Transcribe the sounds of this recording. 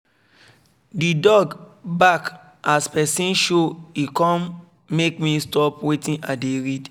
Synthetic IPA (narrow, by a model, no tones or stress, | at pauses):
didɔɡbak | aspɛsĩnʃoikɔ̃m | mekmĩstɔpwetĩnʔadeɹid